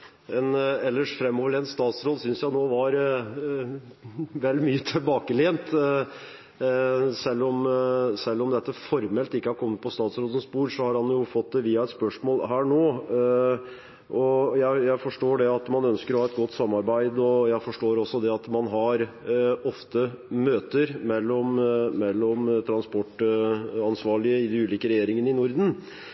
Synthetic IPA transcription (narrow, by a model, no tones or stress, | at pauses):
ɛnɛlːəʂfɾɛmːoːʋəɭɛːnst̪ɑːt̪sɾoːd̪sʏnsjæɪnoːʋɑɾ | ʋɛld̪myːət̪ʰɪlbɑːkəleːnt̪ | sɛlːɔmsɛlːɔmd̪ɛt̪ːəfɔɾmɛlt̪ɪkːəhæɾkʰɔmːət̪̚pʰɔst̪ɑːt̪sɾoːd̪ənspuːɾsɔhɑɾhɑnjʊfɔt̪̚d̪ɛʋiːɑɛt̪spœʂmoːlɦæːɳoː | ʔɔjæɪjæɪfɔʂʈoːɖɛɑt̪mɑnœnskəɾɔhɑːɛt̪̚ɡɔt̪ːsɑmːɑɾbæɪd̪ɔjæɪfɔʂʈoːɾɔsɔd̪ɛɑt̪mɑnɦɑɾɔft̪ə | møːt̪əɾmɛlːɔmːɛlːɔmt̪ʰɾɑnspɔʈː | ɑnsʋɑːɭɪəɪd̪ɛʉːliːkəɾɛjeːɾɪŋənɪnʊɾd̪n̩